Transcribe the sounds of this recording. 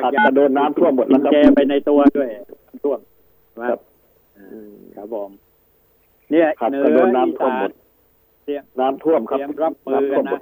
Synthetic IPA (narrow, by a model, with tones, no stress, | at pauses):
hha˨˩ta˨a˧dɤː˧nːaː˧˦˥mt̪ʰu˥˩əmːo˨˩t̪̚la˦˥kʰa˦˥t͡ɕɛː˧pa˧jna˧jt̪u˧ɐdu˥˩əjnaː˦˥mt̪ʰu˥˩əm | a˧a˦˧˥p̚ː | ka˨˦˩bɔː˨˩m | ni˦˥˩ɐha˨˩tnː˧a˧dɤː˧nːaː˦˥mt̪ʰu˥˩əmːo˨˩t̪̚ | si˧˩əŋnaː˦˥mt̪ʰu˥˩əmkʰa˦˥˦ɾa˦˥p̚ma˦˥˧t̪ʰu˥˩əno˨˧˩t̪̚